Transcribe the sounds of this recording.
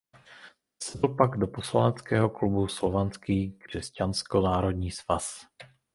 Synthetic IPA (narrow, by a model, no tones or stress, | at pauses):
sɛdl̩paɡdo̞poslanɛt͡skɛːɦoklubuslovant͡skiːkr̝̥ɛscanskonaːɾo̞dɲiːsvas